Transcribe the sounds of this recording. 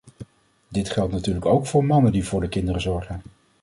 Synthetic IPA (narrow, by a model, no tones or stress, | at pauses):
dɪtχɛlˠtnatyːɹləkowkfʊːɹmɑnəndivʊːɹdəkɪndərəzɔɹχən